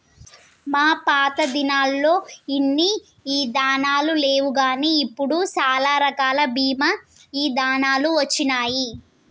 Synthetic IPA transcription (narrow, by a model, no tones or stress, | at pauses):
maːpaːt̪ɐd̪inaːlːo̞ːinːi | iːd̪aːnaːlule̞ːʋuɡaːniːpːuɽut͡ʃaːlaːɾɐkaːlɐbʱiːmɐ | iːd̪aːnaːluʋɐt͡ʃːinaːji